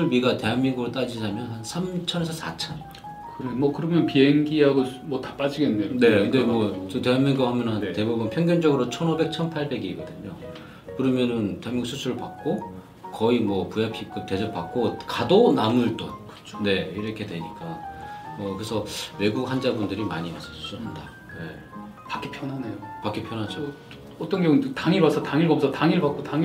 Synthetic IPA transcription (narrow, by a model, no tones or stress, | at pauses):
ɯɭmiɡate̞ɦanmiŋɡuɡɯɭt͈ad͡ʑiamjʌnhansʰamt͡ɕʰʌnesʰʌsʰat͡ɕʰʌn | kɯɾmʌkɯɾʌmjʌnpieŋɡiɦaɡomwʌtḁp͈ad͡ʑiɡenːene̞kɯnde̞mwʌt͡ɕɯte̞ɦanmiŋɡuhamjʌnhante̞bubunpʰjʌŋɡjʌnd͡ʑʌɡɯɾot͡ɕʰʌnobe̞k̚t͡ɕʰʌnpʰaɭbe̞ɡiɡʌdɯɲo | kɯɾʌmjʌnɯnte̞ɦamiŋɡusʰusʰuɾɯɭpak̚k͈o | kʌimwʌpujapʰik͈ote̞d͡ʑʌk̚p͈ak̚k͈okadonamuɭt͈okɯt͡ɕone̞iɾʌkʰe̞dwe̞ɲik͈amʌkɯɾesʰʌwe̞ɡukhand͡ʑabundɯɾimaɲiasʰʌsʰus͈ʰɯɦanda | ne̞ | pak͈ipʰjʌnaneopak͈ipʰjʌnɦad͡ʑoo | ʌt͈ʌnɡjʌuŋtaŋiwasʰʌtaŋiɭbʌmsʰʌtaŋiɭbak͈otaŋi